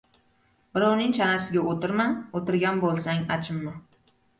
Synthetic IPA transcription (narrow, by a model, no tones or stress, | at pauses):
bɪɾɑwnɪŋt͡ʃʰanasɪɡʲaot̪ɪɾmanot̪ɪɾɡʲanbolˠsaŋat͡ʃʰɪmːɪ